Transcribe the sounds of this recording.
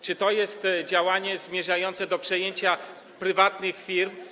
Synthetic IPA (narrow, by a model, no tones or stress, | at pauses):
t͡ʂɘt̪ɔjɛst̪d͡ʑawaɲɛzmʲjɛʐajɔnt̪sɛd̪ɔpʂɛjeɲt͡ɕa | pɾɘvat̪nɘxfʲiɾm